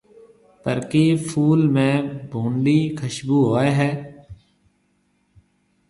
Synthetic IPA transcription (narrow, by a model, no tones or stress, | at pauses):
pəɾkefʰuːlmẽːbʱũːɳɖiːkʰəʃbuːɦoːeɦɛː